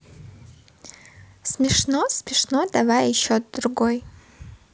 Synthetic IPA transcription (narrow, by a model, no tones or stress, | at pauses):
smʲɪʂnosmʲɪʂnodavajiʃotd̪ɾuɡoj